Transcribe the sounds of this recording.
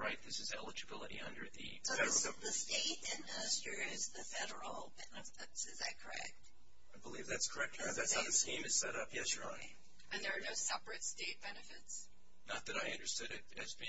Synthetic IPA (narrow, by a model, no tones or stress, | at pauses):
ɹaɪt̪̚ðɪsɨzɛlˠəd͡ʒɨbɪlˠəɾḭʌ̰̃ndə˞ðɨ̰ɛðɨsteɪɾɪ̃nɪstɹ̥iɪzðɨfɛɾə˞l̩ˠbɛnɨfɪtsɨzɨkʰə˞ɛ̰k̚t̚ | aɪbəlivðætskʰə˞ɛk̚t̚ʌðætsaʊðɨskĩmɨz̥sɛɾʌpjɛsə˞ɑ̃n | ʔɨ̃nðə˞ːnoʊsɛpɹɨtsteɪt̚b̥ɛnɨfɪts | nət̪̚ðɨɾaɪʌ̃ndə˞stʊɾɨɾɨzbɪ̃